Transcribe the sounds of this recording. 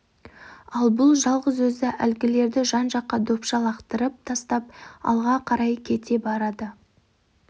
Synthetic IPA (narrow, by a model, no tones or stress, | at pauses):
ɑlˠbʊlˠʒɑlˠʁəzwɵzɪʔælɡʲɪle̞ɾd̪ɪʒɑnʒɑqːɑd̪opʃɑlˠɑqt̪əɾəp̚t̪ʰɑst̪ɑp̚ɑ̰lˠʁɑqʰɑɾɑjkʲʰe̞t̪e̞bɑɾɑd̪ə